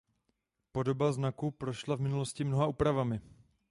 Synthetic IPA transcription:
po̞do̞baznakupɾo̞ʃlavmɪnulo̞scɪmnoɦaʔuːpɾavamɪ

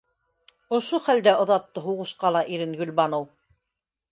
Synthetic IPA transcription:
ŏʃoχæld̪æʔŏðɑt̪ːɤɦuʁɤ̆ʃqɑlˠɑʔiɾɘŋɡɵ̆lʲbɑnow

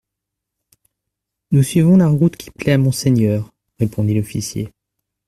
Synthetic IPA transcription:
nusɥivɔ̃laʁut̪kʲʰi̥plɛamɔ̃seɲœːʁ | ʁepɔ̃d̪ilɔfisjḛ

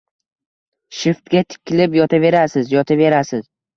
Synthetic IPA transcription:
ʃɪft̪ɡʲat̪ʰɪ̥kʲɪlɪpjɒt̪ʰave̞ɾasɪzjɒt̪ʰave̞ɾasɪz̥

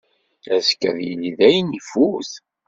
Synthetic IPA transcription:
æskə̰ðjiliðæjənifuθ

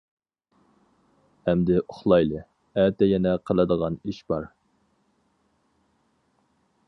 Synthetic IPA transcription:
ɛmd̪ɪʔoχlˠɑjlˠɨ | æt̪ɛjɛnɛqʰəlˠɨd̪əʁɑniʃb̥ɑɾ

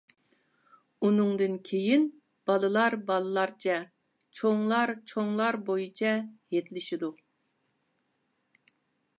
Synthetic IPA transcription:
unɨŋd̪ɨnkʲʰejin | b̥ɑlˠɨlˠɑɾbɑlˠɨlˠɑɾt͡ʃʰɛ | t͡ʃʰoŋlˠɑɾt͡ʃʰoŋlˠɑɾbojit͡ʃʰɛjet̪lɪʃid̪u

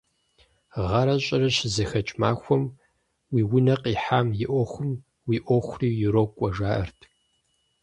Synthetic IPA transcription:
ʁɐɾɐɕʼɐɾɐɕɪzɐxɐt͡ʃʼma̰ːxʷɔm | wiːwʊnɐqiːħaːmjɪʔʷɔxʷʊm | wiːʔʷɔxʷriːjuɾoːkʷʼɔʒaːʔɐ̰rtʰ

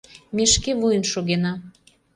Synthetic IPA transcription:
meʃkevujənʃoɣenɑ

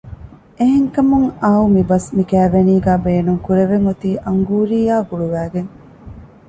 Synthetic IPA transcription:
eɦeŋkɐmuŋaːumibɐsmikæːʋeniːɡæːbeːnuŋkuɾeʋeŋut̪iːʔɐŋɡuːɾiːjaːɡuɭuʋæːɡeŋ

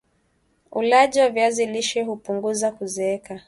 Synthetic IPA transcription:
ulaʄiwavjaziliʃɛhupuŋɡuzakuzɛɛka

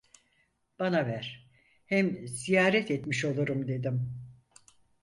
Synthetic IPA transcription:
b̥anavæɾ̥ | hɛmz̥ijaːɾɛt̪ɛt̪miʃo̞lˠuɾumd̪e̞d̪im

